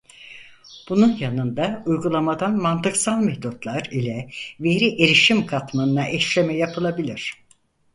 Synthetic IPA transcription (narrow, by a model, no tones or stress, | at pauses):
b̥ununjanɯnd̪aujɡulˠamad̪anmant̪ɯksalˠmɛht̪ut̪lˠaɾilʲɛve̞ɾiʔe̞ɾiʃimkʰat̪manɯnaʔɛʃlʲemɛjapʰɯlˠabilʲiɾ̝̥